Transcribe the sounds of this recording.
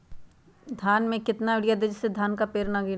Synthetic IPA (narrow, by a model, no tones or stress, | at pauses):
d̪ʱaːnmẽkɪt̪naʋɪɽijad̪ɪd͡ʒsed̪ʱaːnkapeːɾnaɡi